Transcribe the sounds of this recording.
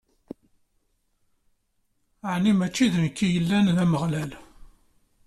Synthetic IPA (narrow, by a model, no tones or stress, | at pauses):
əʕnimæt͡ʃːiðənkːijəlːænðæməʁlæl